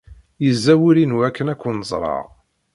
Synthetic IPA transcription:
jəzːæwiɾinuækːənækʷːənəzˤɾˤɑ̰ʁ

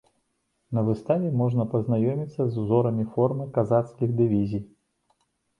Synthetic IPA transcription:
nɐvɨst̪avʲɛmɔʐnɐpɐznajɔmʲit̪sːɐzuzɔɾɐmʲifɔrmɨkazat̪skʲiɣd̪ɨvʲizʲij

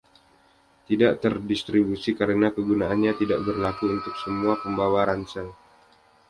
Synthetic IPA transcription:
t̪idaʔt̪ərdist̪ɾibusikaɾənakəɡunaanɲat̪idaʔbərlakuunt̪ʊk̚səmuapəmbawaɾansaŋ

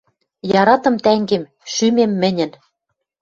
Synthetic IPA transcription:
jɑɾɑt̪ɤ̆mt̪æŋɡem | ʃymemːɘ̆nʲɘ̆n

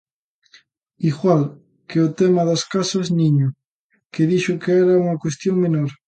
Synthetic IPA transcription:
iɣwal | keʊt̪ɛmɐðɐskasɐzniɲʊ | keðiʃʊkeɛɾɐuŋɐkwest̪joŋmenoɾ

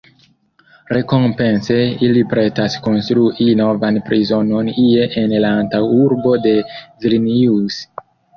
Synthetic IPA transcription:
ɾe̞ko̞mpe̞nse̞ilipɾe̞tasko̞nstɾuʔino̞vanpɾizo̞no̞nieʔenlaːntawuɾbo̞de̞viɾnius

